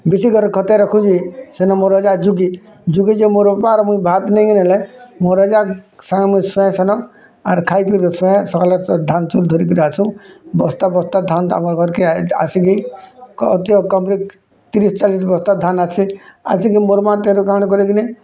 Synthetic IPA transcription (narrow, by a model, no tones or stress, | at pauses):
bisiɡʱɔɾkʰɔt̪ɛɾɔkʰũd͡ʒisɛnɔmɔɾɔd͡ʒad͡ʒuɡi | d͡ʒuɡid͡ʒemoɾpaɾmuibʱat̪nɛjɡinɛlɛmɔɾɔd͡ʒasãŋɡɛmujsɔ̃ɛ̃sɛnɔ | aɾkʰajpiɾɡɔsɛ̃sɔkalɔɾɔd̪ʱant͡ʃuld̪ʱɔɾikɔɾat͡ʃʰũbɔst̪abɔst̪ad̪ʱana̰mɔɾɡʱɔɾkia̰siɡi | ɔt̪ɔkɔmɾik | t̪iɾist͡ʃalisbɔst̪ad̪ʱanasʰia̰siɡimoɾmat̪eɾukañik̬ɔɾiɡini